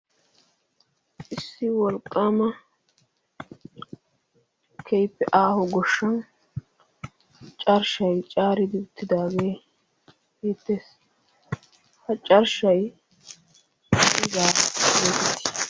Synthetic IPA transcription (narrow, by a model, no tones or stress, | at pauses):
ʔɪsːɪwɔlkʼːaːmɐ | kʰɛjpːɛʔaːhɔɡɔʃːɐn | t͡ʃʼɐɾʃɐjt͡ʃʼaːɾɪd̪ɪʊt̪ːɪd̪aːɡe̞ː | heːt̪ːeːs | hɐt͡ʃʼɐɾʃɐj | ɪzaːɡeːt̪ɛt̪ːɪ̥s